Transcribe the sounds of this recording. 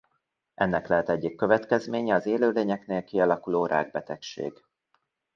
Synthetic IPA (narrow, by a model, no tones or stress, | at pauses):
ʔɛnːɛklɛɦɛt̪ɛɟːikːø̞vɛt̪kɛzmeːɲɛɒzeːløːleːɲɛkneːlkiɒlɒkuloːɾʔa̰ːɡ̚bɛt̪ɛkʃḛːɡ